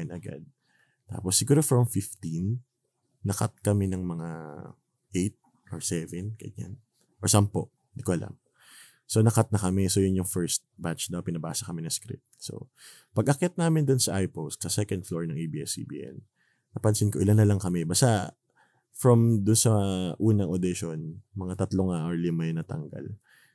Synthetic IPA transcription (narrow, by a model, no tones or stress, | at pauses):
nɐ̰ɡa̰d̪̚ | t̪a̰ːposːɪɡuːɾofɹɐmfɪft̪inː | ɐka̰t̪̚kɐmɛnɐŋmɐŋa | ʔejt̪̚ | ʔoɹsɛvɛnkɐ̰jɲa̰n | ʔɔɹsɐmpo̰ | ɪnd̪ikoʔɐlʔa̰m | so̞nɐkat̪̚nɐkɐmɛso̞jʊnjʊŋfɛɹst̪̚bat͡ʃd̪opɪnɐba̰ːsɐkɐmɛnɐskɾɪ̰p̚t̪̚so̞̰ | pɐɡʔɐkɛt̪̚naːmɪnd̪ʊnsɐʔajpost̪̚sɐsɛkɐnd̪floɹnɐŋʔejbiɛsḭbḭːʔɛ̰nː | ɐpɐnsɪnkoʔɪlɐnːɐlɐŋkɐmɛbast̪a | fɹɐmd̪ʊnsɐʔuːnɐŋʔod̪ɪʃonmɐŋat̪ɐt̪loŋaʔoɹlɪmajnɐt̪ɐ̰ŋɡa̰l